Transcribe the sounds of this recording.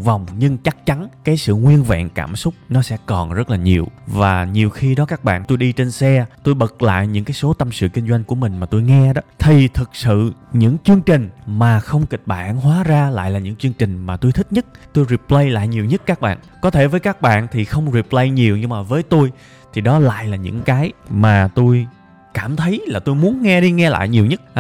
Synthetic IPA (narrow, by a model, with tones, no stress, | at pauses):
va˨˩wŋ͡mɲɨ˧ŋt͡ɕa˦˥k̚t͡ɕa˨˦nkaː˨˦jsɨ̰˧˨ŋwi˧ənvɛ̰˧˨nkaː˧˩msʊ˦˥k͡p̚nɔ˨˦sɛ̰˧˥kɔ˨˩nzə˦˥t̚laː˨˩ɲi˨˩əwvaː˨˩ɲi˨˩əwxi˧ɗɔ˨˦kaː˦˥k̚ɓa̰ː˧˨nt̪o˧jɗi˧t͡ɕe˧nsɛ˧t̪o˧jɓə˨˩k̚la̰ː˧˨jɲɨ̰˧˥ŋkaː˨˦jso˨˦t̪ə˧msɨ̰˧˨ki˧ŋ̟zwa˧jŋ̟ku˧˩əmï˨˩ŋ̟maː˨˩t̪o˧jŋɛ˧ɗɔ˨˦t̪ʰi˨˩t̪ʰɨ˨˩k̚sɨ̰˧˨ɲɨ̰˧˥ŋt͡ɕɨ˧əŋt͡ɕï˨˩ŋ̟maː˨˩xə˧wŋ͡mkï˨˩k̟̚ɓa̰ː˧˩nɦwaː˨˦zaː˧la̰ː˧˨jlaː˨˩ɲɨ̰˧˥ŋt͡ɕɨ˧əŋt͡ɕï˨˩ŋ̟maː˨˩t̪o˧jt̪ʰï˦˥k̟̚ɲə˦˥t̚t̪o˧jɾi˨˩p̚lə˧jla̰ː˧˨jɲi˨˩əwɲə˦˥t̚kaː˦˥k̚ɓa̰ː˧˨nkɔ˨˦t̪ʰe˧˩vəː˨˦jkaː˦˥k̚ɓa̰ː˧˨nt̪ʰi˨˩xə˧wŋ͡mzi˨˩p̚lə˧jɲi˨˩əwɲɨ˧ŋmaː˨˩vəː˨˦jt̪o˧j | t̪ʰi˨˩ɗɔ˨˦la̰ː˧˨jlaː˨˩ɲɨ̰˧˥ŋkaː˨˦jmaː˨˩t̪o˧j | kaː˧˩mt̪ʰə˨˦jlaː˨˩t̪o˧jmu˨˦ənŋɛ˧ɗi˧ŋɛ˧la̰ː˧˨jɲi˨˩əwɲə˦˥t̚